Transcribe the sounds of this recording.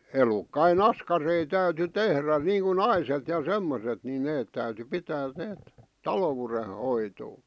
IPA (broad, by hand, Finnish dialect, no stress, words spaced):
elukːɑin ɑskɑrei tæyty tehræ niːŋku nɑiset jɑ semːoset ni neːt tæyty pitæː neːt tɑlowurehoitoː